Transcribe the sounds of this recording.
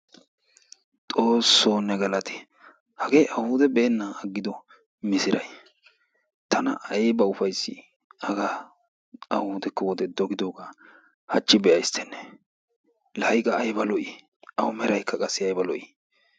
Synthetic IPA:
t̪ʼo̞ːsːoːnːɛɡɐlɐt̪ɪ̥ | hɐɡe̞ːʔɐhʊd̪ɛbeːnːɐɐɡːɪd̪ɔ | mɪsɪɾɐj | t̪ɐnɐ̰ʔɐjɛbɐʊfɐjsːɪ̰ | ɐɡa | ɐhʊːd̪ɛkːɐwɔd̪ɛd̪ɔɡɪd̪oːɡa | hɐt͡ʃːɪbɛɐjst̪ʰɛnːɛ̥ | lɐjkʼɐːjbɐlɔʔi | ʔɐwʊmɛɾɐjkʰːɐkʼɐsːɪɐjbɐlɔʔi

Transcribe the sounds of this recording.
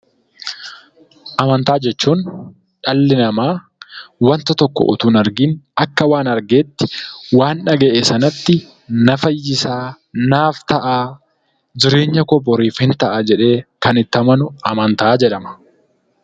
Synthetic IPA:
ʔɐmɐnt̪aːd͡ʒɛt͡ʃːuːn | ᶑɐlːɪnɐmaː | wɐnt̪ɐt̪ɔkːɔ̰ʔʊ̰t̪uːnɐɾɡiːnɐkːɐwaːnɐɾɡe̞ːt̪ːɪ̥waːnᶑɐɡɛʔeːsɐnɐt̪ːɪ | nɐfɐjːɪsaː | naːft̪ɐʔaː | d͡ʒɪɾe̞ːɲːɐkɔbɔɾiːfɪnt̪ɐʔaːd͡ʒɛᶑe̞ːkɐnɪt̪ːɐmɐnʊɐmɐnt̪aːd͡ʒɛᶑɐmɐ̥

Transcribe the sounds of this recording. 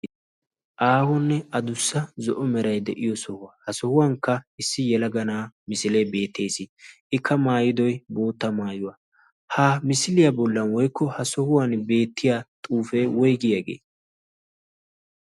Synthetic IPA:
ʔaːhɔnːɛɐd̪ʊsːɐzɔʔɔmɛɾɐjd̪ɛʔɪjɔsɔhʊwɐhɐsɔhʊwɐŋkːɐɪsːɪjɛlɐɡɐnaːmɪsɪlejbe̞ːt̪ʰːe̞ːsɪʔɪkʰːɐmaːjɪd̪ɔjbo̞ːt̪ːɐmaːjʊwɐ | haːmɪsɪlɪjɐbɔlːɐnwɔjkːɔhɐsɔhʊwanbe̞ːt̪ːɪjaːt̪ʼuːfejwɔjɡɪjɐɡḛː

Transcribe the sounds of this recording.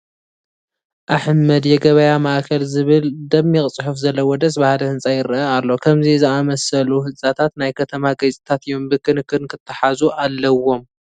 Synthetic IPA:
ʔaħmːɐd̪jɛɡɐβɐjamaʔkʰɐlzɨβɨld̪ɐmːiχʼt͡sʼħufzɐlːɐwɔd̪ɐsbahalɐhɨnsʼajɪɾɐalːo̞kʰɐmzizɨamɐsɐluhɨt͡sʼːat̪ʰat̪najkʰɐt̪ʰɐmaɡɐt͡sʼi̥t̪ʰat̪ɨjo̞mbɨkʰɨnkːɨnkʰɨt̪ʰːɐħazuʔalːɐwːo̞m

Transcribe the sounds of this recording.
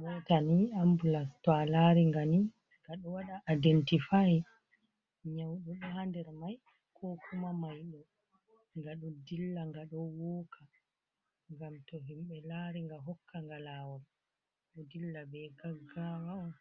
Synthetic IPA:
mɔtaniambulatalaɾiŋɡani | ŋɡaɗɔwaɗaʔːdɛntifaji | ɲawɗɔɗɔhandɛɾmaj | kʰɔkʰumamajɗɔ | ŋɡaɗɔdilːaŋɡaɗɔwɔːkʰa | ŋɡamtɔɦimɓɛlaɾiŋɡaɦɔkːaŋɡalawɔɾ | ɗɔdilːabɛɡaɡawawa

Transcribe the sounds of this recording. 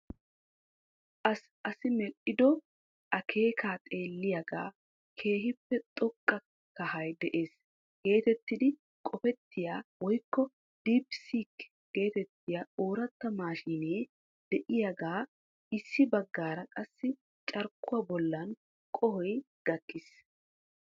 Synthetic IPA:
ɐs | ʔɐsɪmɛʔɪd̪ɔ | ʔɐkʰe̞ːkʰaːt̪ʼe̞ːlːɪjaɡa̰ː | kʰe̞ːɦɪpːɛt̪ʼɔkʼːɐ | kɐhɐjd̪ɛʔe̞ːs | ɡ̥e̞ːt̪ɛt̪ːɪd̪ɪ | kʼɔfɛt̪ːɪjaːwɔjkːɔ | d̪̥iːpsiːkː | ɡe̞ːt̪ɛt̪ːɪjaoːɾɐt̪ːɐmaːʃineː | d̪̥ɛʔɪjaɡaː | ɪsːɪbɐɡːaːɾɐkʼɐsːɪ | t͡ʃʼɐɾkːʊwabɔlːɐn | kʼɔhɔj | ɡ̥ɐkːɪs

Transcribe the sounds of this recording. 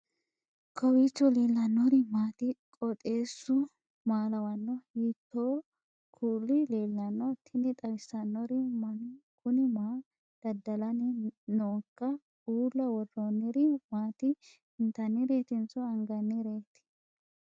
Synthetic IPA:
kʰɔwiːt͡ʃːɔleːlːɐnːɔɾɪmaːt̪ɪkʼɔt̪ʼe̞ːsːʊ | maːlɐwɐnːɔhiːt̪ːoː | kʰuːlːɪleːlːɐnːɔt̪ʰːɪnɪt̪ʼɐwɪsːɐnːɔɾɪmɐnkʰʊnɪmaː | d̪̥ɐd̪ːɐlɐnɪnoːkːɐ | uːlːɐwɔrɔnːɪɾɪmaːt̪ɪ | ɪnt̪ɐnːɪɾe̞ːt̪ɪnt͡sɔɐŋɡɐnːɪɾe̞ːt̪ːɪ̥

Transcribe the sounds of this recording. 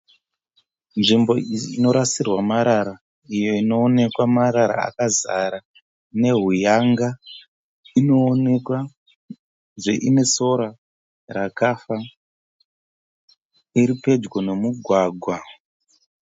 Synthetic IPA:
nʐimbo̞ino̞ɾasirwamaɾaɾa | ijo̞ino̞ːne̞kwamaɾaɾa̰a̰kazaɾa | ne̞ɦujaŋɡa | ino̞ːnekwa | ʐe̞̰ʔime̞so̞ɾa | rakafa | iɾipe̞d͡ʒwone̞muɡʱwaːɡʱwa

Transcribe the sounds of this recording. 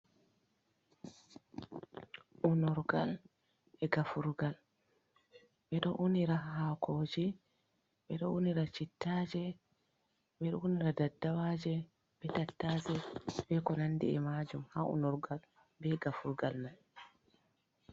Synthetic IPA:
ʔunɔɾɡal | ɛɡafuɾɡal | ɓɛɗɔʔuniɾahakʰoːd͡ʒi | ɓɛɗɔuniɾat͡ʃitːaːd͡ʒɛ | ɓɛɗɔuniɾadadːawad͡ʒɛ | b̥ɛtatːaːd͡ʒɛbɛkɔnandḭɛmad͡ʒumhaṵnɔɾɡal | bɛɡafuɾɡalna

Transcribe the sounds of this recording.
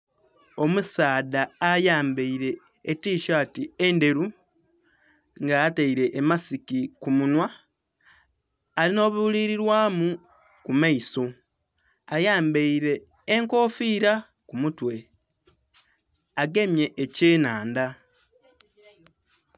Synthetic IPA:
o̞musaːðaːjaːmbeiɾe̞ː | tiːʃaːtiende̞ɾu | ŋɡaːtaiɾe̞ʔːmasikikumunwa | lino̞ːβuuliɾiɾwaːmu | kumaiso̞ | ajaːmbeiɾe̞ː | ŋko̞ːfiːɾa | kumutwe̞ | aɡe̞mje̞ʔeceːnaːnda

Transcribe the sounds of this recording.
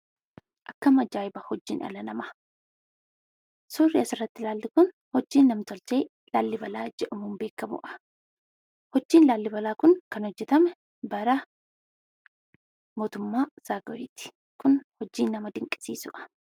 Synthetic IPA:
ʔɐkːɐmɐd͡ʒaːjɪbɐhɔd͡ʒːḭːnʔɐ̰lɐnɐmɐ | suːrːɪɐsɪrːɐt̪ːɪlaːlːɪkʊn | hɔd͡ʒːiːnːɐmt̪ɔlt͡ʃeː | laːlːɪbɐlaːd͡ʒɛʔʊmuːmbe̞ːkːɐmʊ̰ʔɐ̥ | hɔd͡ʒːiːnlaːlːɪbɐlaːkʊnkɐnhɔd͡ʒːɛt̪ɐmɛ | bɐɾɐ | moːt̪ʊmːaːsaːɡɔiːt̪ɪ̥ | kʊnhɔd͡ʒːiːnːɐmɐd̪ɪŋkʼːɪ̥sḭːsʊʔɐ̥

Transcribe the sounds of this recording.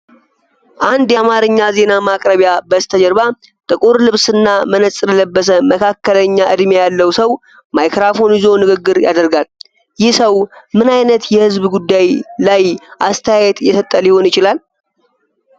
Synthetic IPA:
ʔand̪jamaɾɨɲːaze̞namakʼɾəβjabəst̪ʰəd͡ʒəɾβa | t̪ʼɨkʼuɾlɨβsɨnːamənəsʼlələbːəs̬əməkʰakːələɲːaʔɨd̪mejalːəwsəw | majkɾafo̞nizo̞nɨɡɨɡːɨɾja̰d̪əɾɡal | jɪhsəwmɨnajnət̪jɛhɨzbɡud̪ːajlajʔast̪ʰəjajɛt̪jɛsət̪ʼːəliho̞njɪt͡ʃɪlal

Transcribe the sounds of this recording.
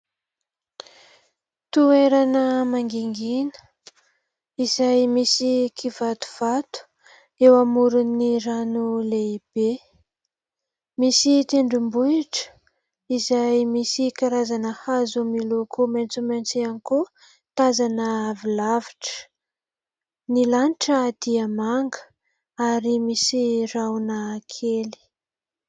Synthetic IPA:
t̪ueɾanəmaŋɡiŋɡinə̥ | izajmisikʰivat̪u̥v̥at̪u̥ | ewamuɾuniɾanuleib̥e | misit̪eɳɖ͡ʐimbuiʈ͡ʂə̥ | izajmisikaɾazanəhazumilokomant͡sumant͡sianiku | t̪azanəavilaviʈ͡ʂə̥ | nilaniʈ͡ʂəːd̪̥iəmaŋɡə̥ | aɾimisirawnəːkʰeli̥

